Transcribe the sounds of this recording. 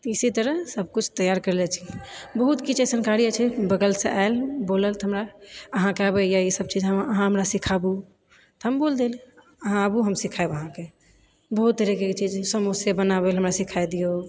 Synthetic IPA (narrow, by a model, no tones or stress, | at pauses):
t̪isit̪əɾəɦsəb̚ʱkut͡ʃʰt̪əjaɾkəɾlɛt͡ʃʰibəɦut̪kit͡ʃesənkaɾiət͡ʃʰɛbəɡəlseʔaelboləlt̪ɔɦəmɾaəɦãkabəjaisəb̚t͡ʃid͡ʒɦəməɦãɦəmɾasikʰabu | t̪ɦəmbold̪el | əɦãəbuɦəmsikʰaebəɦãke | bəɦut̪̚d̪əɾeket͡ʃid͡ʒsəmusebənabelɦəmɾasikʰajd̪ijo